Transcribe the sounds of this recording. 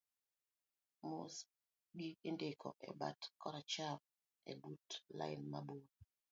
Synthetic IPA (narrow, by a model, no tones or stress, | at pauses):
mos | ɡiendekʰɔ̰ʔɛ̰ba̰tkɔɾat͡ʃam̚ | ɛ̰butla̰jnmabud̚